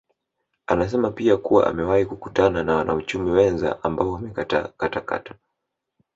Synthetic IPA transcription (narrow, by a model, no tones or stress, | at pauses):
anas̬ɛmapiakuwa̰ʔa̰mɛwahikukutananawanaut͡ʃumiwɛnza̰ʔambaɔwamɛkatakataka̰tḁ